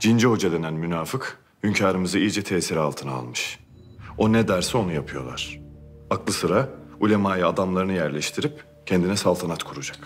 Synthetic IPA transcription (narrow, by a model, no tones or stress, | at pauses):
d͡ʒind͡ʒɛɦo̞d͡ʒad̪ʲenænmynaːfɯk | hymcʰaːɾɯmɯzɯijd͡ʒɛt̪ʰɛːsiɾɛalˠt̪ʰɯnaa̰lˠmɯʃ | o̞nɛd̪æɾsɛo̞nujapʰɯjo̞̰lˠa̰ɾ̥aklˠɯsɯɾaulʲemaːjaad̪amlˠaɾɯnɯjæɾlʲɛʃt̪ʰiɾip | cʰɛnd̪inɛsalˠt̪ʰanat̪kʰuɾud͡ʒak